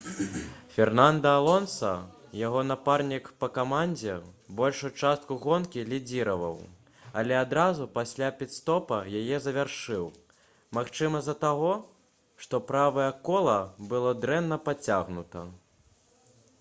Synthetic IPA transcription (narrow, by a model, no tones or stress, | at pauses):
fʲɛrnand̪ɐːlˠɔnsɐ̰ | jaɣɔnaparnʲikpɐkamanʲd͡zʲɛbɔlʲʂut͡ʂast̪̚kuɣɔnkʲilʲid͡zʲiɾɐvɐ̰w | ɐlʲɛad̪ɾazupasʲlʲapʲit̪st̪ɔpɐjajɛzɐvʲarʂɨw | maxt͡ʂɨmɐzɐt̪aɣɔ | ʂt̪ɔpɾavɐjɐkɔlˠɐbɨlˠɔd̪ɾɛnːɐpat͡sʲaɣnut̪ɐ̰